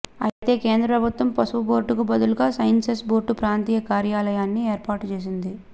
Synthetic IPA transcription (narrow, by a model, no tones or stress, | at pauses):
ɐ̰t̪e̞ːke̞ːnd̪ɾɐpɾɐbʱut̪ʋɐmpɐsuʋuboːɾʈukubɐd̪uluɡaːsɐjɐnsesboːɾʈːupɾaːnt̪iːjɐkaːɾjaːlɐjaːnːie̞ːɾpaːɾʈt͡ʃe̞ːs̬ind̪i